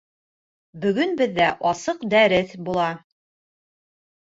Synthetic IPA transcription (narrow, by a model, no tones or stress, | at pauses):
bɵ̆ɡɵnbɘ̆ðːæʔɑsɤqd̪æɾɘθbulˠɑ